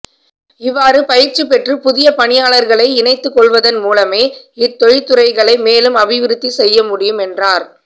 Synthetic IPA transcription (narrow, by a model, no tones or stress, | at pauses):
ɪʋːaːɾɯpɐjɪɾt͡ʃipɛʈrɯpʊðɪjɐpɐɳɪjaːɭɐɾɣɐɭɐɪɪnɐɪt̪ːɯkːɔɭʋɐðɐnmuːlɐmeː | ɪt̪ːɔjt̪ːɯɾɐɪɣɐɭɐɪmeːlɯmɐʋɪʋɪɾɯt̪ːisɛjːɐmʊɽɪjɯmɛndraːɾ